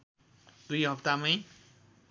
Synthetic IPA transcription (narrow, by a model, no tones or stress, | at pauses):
d̪ujɦʌpt̪amʌj